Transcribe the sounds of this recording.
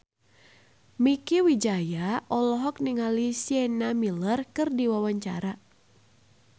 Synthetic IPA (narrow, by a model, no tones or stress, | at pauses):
mikiwid͡ʒajaʔɔlɔɦɔk̚niŋalisiɛnamilərkɨrdiwawaɲt͡ʃa̰ɾa